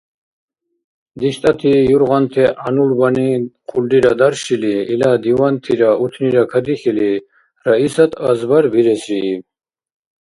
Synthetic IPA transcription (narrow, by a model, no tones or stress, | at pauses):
d̪iʃt̪ʼat̪ʰijuɾʁant̪ʰɛʔanulbaniqʰʼuld̪iɾad̪aɾʃiliːlad̪iwant̪ʰiɾaut̪ʰniɾakʰad̪iχili | ɾaisat̪ʰazbaɾbiɾɛsɾi